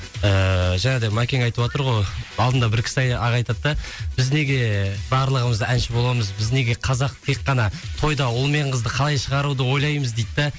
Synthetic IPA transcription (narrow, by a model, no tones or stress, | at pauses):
əʒæned̪emakʲeŋɑjt̪əwot̪əɾʁojɑlˠd̪ənd̪ɑbɪɾkʲʰɪ̥sɑjɑʁɑjt̪ɑt̪ːɑb̥ɪzne̞ɡʲe̞bɑɾlˠəʁəməzænʃɪbo̞lˠɑməzbɪzne̞ɡʲe̞qʰɑzɑqt̪ʰe̞qːɑnɑt̪ʰo̞jd̪ɑwʊlˠme̞ɴqəzd̪əqʰɑlˠɑjʃəʁɑɾud̪əwo̞jlˠɑjməzd̪e̞jt̪ːɪ